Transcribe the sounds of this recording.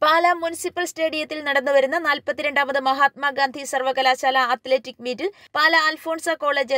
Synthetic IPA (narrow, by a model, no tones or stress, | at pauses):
paːlɐmunisipːɐlsʈe̞ːɽijɐt̪ːilnɐɽɐnːɨʋɐɾunːɐnaːlpɐt̪ːiɾe̞ɳɖaːmɐðɨmɐɦaːt̪̚mɐɡaːnd̪ʱisɐrʋɐkɐlaːɕaːlɐɐt̪leːtːikːmiːtːɨ | paːlɐaːlfo̞ːɳsɐkoːɭeːd͡ʑɐ